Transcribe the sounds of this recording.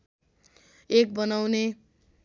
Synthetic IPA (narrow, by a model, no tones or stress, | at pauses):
ek̚bʌnawne